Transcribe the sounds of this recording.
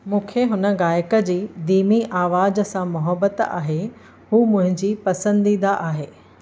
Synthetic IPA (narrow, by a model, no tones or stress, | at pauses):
mũːkʰeɦʊnə̆ɣaːjkə̆d͡ʑiːd̪iːmiʔaːʋaːd͡ʑə̆sãmʊɦəbət̪a̰ːɦe | huːmʊ̃ɦɪ̃ɲd͡ʑiːpɐsə̃nd̪iːd̪aʔaːɦeː